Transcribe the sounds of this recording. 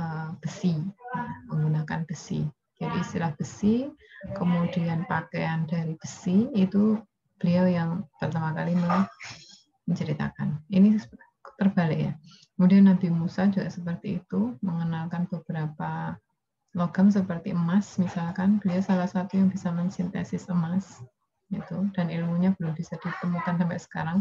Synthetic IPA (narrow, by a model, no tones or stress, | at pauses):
əb̥əsi | məŋɡunakanb̥əsḭ | d͡ʒadiːist̪ilahb̥əsikəmudianpakeandaɾib̥əsiit̪u | b̥əliawjaŋpərt̪amakalimə | məɲt͡ʃəɾit̪a̰ka̰nini | t̪ərb̥alɪʔja | kəmudianːabimusad͡ʒuɡaʔsəpərt̪iːt̪uməŋənalkanb̥əb̥əɾapa | loɡ̥ams̬əpərt̪iəmasmisalkanb̥əliasalahsat̪ujaŋbisaməɲsɪnt̪ɛ̰sɪsəmas | ɡit̪ud̥anilmuɲab̥əlʊmb̥isad̥it̪əmukansampɛʔsə̥kaɾaŋ